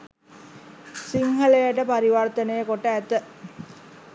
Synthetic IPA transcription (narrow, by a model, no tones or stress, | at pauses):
siŋɦəlejəʈəpaɾiʋart̪ənəjəkoʈːəæt̪ːə